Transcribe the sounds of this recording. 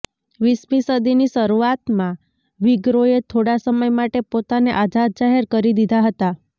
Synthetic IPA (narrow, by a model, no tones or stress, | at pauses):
ʋismisəd̪iniʃəɾuat̪mã | ʋiɡɾoet̪ʰoɽasəməjmaʈepot̪aneʔad͡ʒʱad̪̚d͡ʒaɦeɾkəɾid̪id̪ʱaɦət̪a